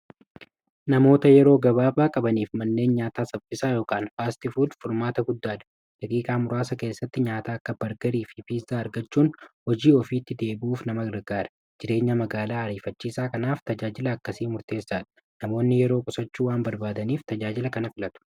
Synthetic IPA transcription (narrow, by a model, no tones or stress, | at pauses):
nɐmo̞ːt̪ɐjɛɾo̞ːɡɐbaːbaːkʼɐbɐniːfmɐnːe̞ːnɲaːt̪aːsɐfɪsaːjo̞ːkaːnfaːst̪ɪfuːlfʊɾmaːt̪ɐɡʊd̪ːaːᶑ̪ɐ̥ | d̥ɐkʼiːkʼaːmʊɾaːsɐke̞ːsːɐt̪ːɪɲaːt̪aːɐkːɐb̥ɐɾɡɐɾiːfɪfiːzːaːɐɾɡɐt͡ʃːuːnhɔd͡ʒiːɔfiːt̪ːɪd̪e̞ːbuːfnɐmɐɡɐɾɡaːɾɐ̥ | d͡ʒɪɾe̞ːɲːɐmɐɡaːlaːɐɾiːfɐt͡ʃːiːsaːkɐnaːft̪ɐd͡ʒaːd͡ʒɪlɐːkːɐsiːmʊɾt̪e̞ːsːaːᶑɐ̥ | nɐmo̞ːnːɪjɛɾoːkʼʊsɐt͡ʃːuːwaːnbɐɾbaːd̪ɐniːft̪ɐd͡ʒaːd͡ʒɪlɐkɐnɐfɪlɐt̪ʊ̥